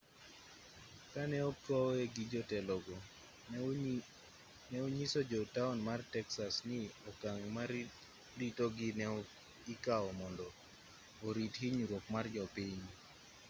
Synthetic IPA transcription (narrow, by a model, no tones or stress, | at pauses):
kanɛɔkɔeɡid͡ʒɔtɛlɔɡɔ | nɛoɲisod͡ʒɔtaunmartɛksasnɪɔkaŋmaɾ | ditoɡɪnɛ | ɪkaɔmɔndɔː | ɾithiɲuɾokmard͡ʒɔpiɲ